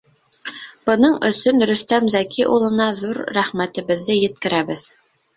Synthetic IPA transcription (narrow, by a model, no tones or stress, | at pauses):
b̥ɤ̆nɤɴɵ̆sɵnɾɵ̆st̪æmzækʰiʔulˠɤ̆nɑðuɾːæχmæt̪ɘ̆βɘ̆ðːɘjɘ̆t̪kɘ̆ɾæβɘð